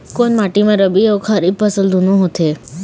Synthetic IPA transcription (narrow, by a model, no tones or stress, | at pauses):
konmaʈimãɾəbiekʰaɾibpəsəld̪ʱunõɦot̪ʰe